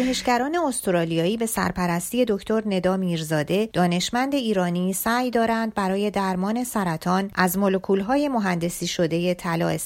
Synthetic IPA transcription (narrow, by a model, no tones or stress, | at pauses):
uɦeʃɟæɾɒːne̞ost̪ʰoɾɒːlijɒːiːbe̞sæ̰ɾpʰæɾæst̪iːe̞d̪o̞cʰt̪ʰo̞ɾne̞d̪ɒːmiːɾzɒːd̪e̞d̪̥ɒːne̞ʃmænd̪e̞iːɾɒːnisæːjd̪ɒːɾænd̪̚bæɾɒːje̞d̪æɾmɒːne̞sæɾæt̪ʰɒːnʔæzmolo̞kʰuːlɦɒːje̞mo̞ɦænd̪e̞siːʃo̞d̪e̞je̞t̪ʰælɒ̰ːes